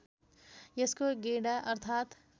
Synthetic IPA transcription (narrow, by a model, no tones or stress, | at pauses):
jeskoɡeɽaʔʌɾt̪ʰaːt̪